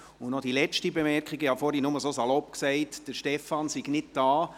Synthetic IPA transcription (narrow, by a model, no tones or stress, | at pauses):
ʊnɔd̥ilɛt͡ʃtibemɛɾkχiɡəhɑfoɾinʊməsosalɔp̚ksɛɪtd̥əɾʃtɛfɑnsɪɡnɪt̚d̥aː